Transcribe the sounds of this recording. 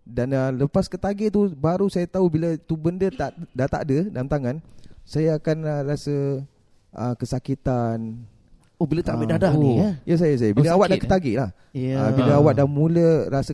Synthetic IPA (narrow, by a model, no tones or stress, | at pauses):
danələpaskət̪aɡɪʔt̪ubaɾusajat̪aubilət̪ubəndət̪aʔdat̪a̰ʔdədalamt̪aŋãnsajaːkanərasə | ʔəkəsakit̪an | obilət̪aʔbidadajas̬ajəs̬ajəbiləawaʔdakə̥t̪aɡeʔlah | əbiləawaʔ̚damũləɾasə